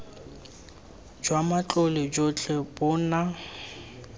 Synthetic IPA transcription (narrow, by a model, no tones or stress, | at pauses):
d͡ʒwamat͡ɬʼʊlɪd͡ʒot͡ɬʼɛbʊna